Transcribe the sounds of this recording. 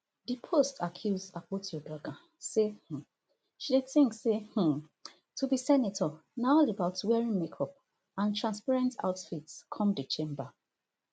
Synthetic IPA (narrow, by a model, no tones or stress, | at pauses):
dipʰostʰakʰjuzapotjɔdɔɡã | seh̩ | ʃideθĩŋkseh̩ | tʰubisɛnetʰɔnaɔlebaʊtwɛɹĩnmekʰɔp̚ | ãntʰɹãnspaɹɛ̃nta̰ʊtfitkʰɔ̃mdit͡ʃẽmba